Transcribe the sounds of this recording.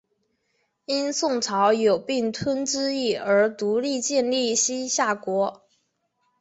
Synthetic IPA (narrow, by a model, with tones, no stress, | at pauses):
i˥nsʊ˥˩ŋʈ͡ʂʰɑ˧˥ʊjo˨˩ʊpi˥˩ŋt̪ʰwə˥nʈ͡ʂɻ̩˥i˥˩ə˞˧˥t̪u˧˥li˥˧t͡ɕjɛ˥˧nli˥˩ɕi˥ɕja˥˩kwɔ˧˥